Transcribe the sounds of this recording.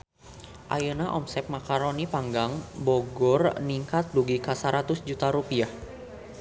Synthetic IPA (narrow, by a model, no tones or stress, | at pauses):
ʔa̰jənaʔɔ̰msɛp̚makaɾonipaŋɡaŋboɡɔrniŋkat̪̚duɡikasaɾat̪ʊsd͡ʒut̪aɾupiah